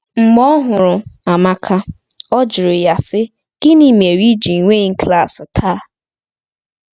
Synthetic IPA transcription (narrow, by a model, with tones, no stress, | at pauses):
ŋ͡m̩˨ɡ͡bɔ˦ɦʊ˨ɾʊ˨a˨ma˦kʰa˦ɔ˦d͡ʒʊ˨ɾʊ˨ja˨sɪ˦ | ɡ̥ɪ˦ni˦m˨e˨ɾi˦d͡ʒi˨ŋʷe˦ŋ̩˦kla˦˨stʰa˦